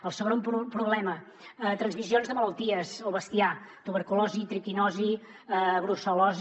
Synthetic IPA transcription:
əlˠsəɣɾomppɾuβlɛmə | t̪ɾənzmizionzðəmələlˠt̪iəsəwβəst̪iat̪uβəɾkulɔzit̪ɾikinɔzi | ɣɾusolɔz

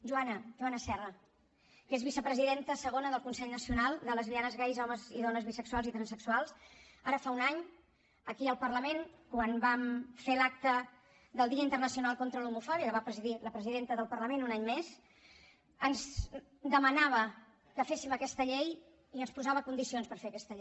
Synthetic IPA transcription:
ʒuanəʒuanəsɛrə | kezβisəpɾəziðent̪əsəɣ̞onəðəlˠkunsɛʎnəsiunalˠd̪ələzβianəzɣɛjzɔməziðɔnəzβisəkswalˠzit̪ɾənsəksualˠsaɾəfaunaɲ | əkiəlˠpərləmenkwanbamfelak̚t̪ə | ðəlˠd̪iəint̪ərnəsiunalˠkont̪ɾəlumufɔβiəkəβapɾəziðiləpɾəziðent̪əðəlˠpəɾləmenunaɲmez | ənz | d̪əmənaβ̞ə | kəfesiməkɛst̪əʎej | iənspuzaβəkund̪isionspəɾfeəkɛst̪əʎ

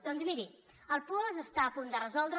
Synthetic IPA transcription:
t̪onzmiɾi | əlˠpɔzəst̪aəpund̪ərəzɔlˠd̪ɾ

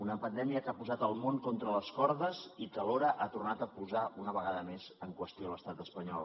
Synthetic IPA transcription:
unəpənd̪ɛmiəkapuzat̪əlˠmoŋkɔnt̪ɾələskɔɾðəzit̪əloɾəʔat̪urnat̪əpuzaʔunəβəɣaðəmezəŋkwəst̪ioləst̪at̪əspəɲɔ̰lˠ

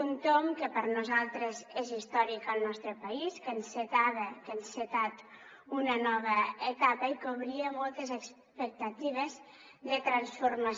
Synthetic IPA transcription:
unt̪omkəpəɾnuzalˠt̪ɾəzezist̪ɔɾikəlˠnɔst̪ɾəpaiskənset̪aβəkənset̪at̪ | unənɔβ̞əet̪apəikoβɾiəmɔlˠt̪əzəks | pək̚t̪at̪iβ̞əz | ðət̪ɾansfuɾma

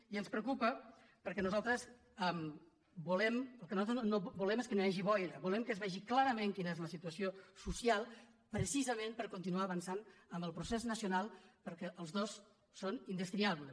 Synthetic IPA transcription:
iənspɾəukupə | pəɾkɛnuzalˠt̪ɾəs | ɛm | bulɛməlˠkənuat̪ɾnobulɛmeskənojaʒiβɔjɾəβulɛmkəzβɛʒiklaɾəmẽŋkinəezləsit̪uəsiosusialˠ | pɾəsizəmẽnpəɾkunt̪inuaːβənsanəmbəlˠpɾuseznəsjunalˠpəɾkɛʔəlˠzðosː | onind̪əskɾiaβlə

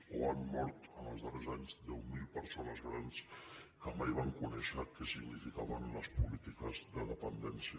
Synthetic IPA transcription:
uamːɔɾt̪ənəlˠzðərezaɲzd̪ɛwmilˠpəɾsonəzɣɾanskəmajβaŋkunɛʃəkɛsiɡnifikaβənləspulit̪ikəzðəðəpənd̪ɛnsi

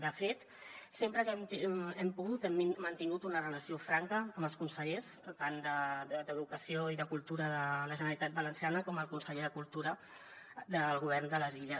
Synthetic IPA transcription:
d̪əfet̪ | sempɾəkɛmt̪ɛmpuɣut̪ɛmiːənt̪iŋɡut̪unərələsiofɾaŋkəːməlˠskunsəʎest̪and̪əd̪d̪əðukəsioiðəkulˠt̪uɾəðələʒənəɾəlit̪at̪̚bələnsianəkɔməlˠkunsəʎeðəkulˠt̪uɾə | d̪əlˠɣuβ̞ɛrnd̪ələziʎə

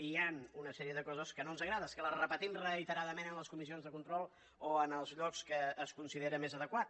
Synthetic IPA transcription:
ianunəsɛɾiəðəkɔzəskənonzəɣɾaðəskələrəpət̪imrəit̪əɾaðəmenənləskumisionzðəkunt̪ɾɔlˠ | oənəlˠzʎɔkskəːskunsiðeɾəmezəðəkwa

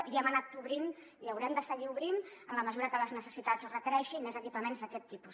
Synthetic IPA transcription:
iɛmənat̪uβɾin | iəwɾɛmd̪əsəɣiuβɾinəmləməzuɾəkələznəsəsit̪azrəkəɾɛʃimezəkipəmenzðəkɛt̪ːipus

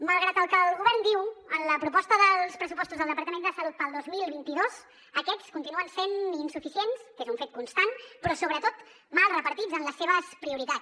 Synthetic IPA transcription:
məlˠɣɾat̪əlˠkəlˠɣuβɛrnd̪iwənləpɾupɔst̪əðəlˠspɾəsupɔst̪uzðəlˠd̪əpəɾt̪əmend̪əsəlut̪̚pəlˠd̪ozmilˠβint̪iðoz | əkɛt͡skunt̪inuənseninsufisienskezuɱfet̪̚kunst̪anpɾɔsoβɾət̪ot̪ | malˠrəpəɾt̪id͡zənləsːeβ̞əspɾiuɾit̪a

